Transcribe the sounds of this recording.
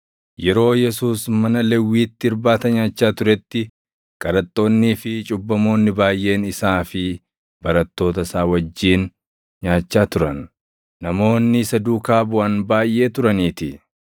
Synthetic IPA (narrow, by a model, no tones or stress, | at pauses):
jɛɾo̞ːjɛsuːsmɐnɐlɛwːiːt̪ːɪɾbaːt̪ɐɲaːt͡ʃːaːt̪ʊɾɛt̪ːɪ | kʼɐɾɐt̪ʼːo̞ːnːiːfɪt͡ʃʼʊbːɐmo̞ːnːɪbaːjʔe̞ːnɪsaːfɪ | bɐɾɐt̪ːo̞ːt̪ɐsaːwɐd͡ʒːiːn | ɲaːt͡ʃːaːt̪ʊɾɐnː | ɐmo̞ːnːɪsɐd̪uːkaːbʊʔɐnbaːjʔe̞ːt̪ʊɾɐniːt̪ɪ